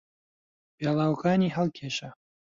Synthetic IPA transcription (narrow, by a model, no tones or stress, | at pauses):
peːlˠaːwɐkaːniːɦɐlˠkʰeːʃɐ